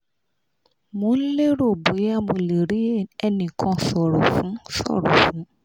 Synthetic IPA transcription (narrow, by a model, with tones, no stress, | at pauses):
mõ˨˦le˦ɾo˦˨bo˨˦ja˦mo˧le˨ɾi˨˦ɛ˧nĩ˨kʰɔ̃˧sɔ˨ɾɔ˨fũ˨˦sɔ̰˦˨ɾɔ˨fũ˨˦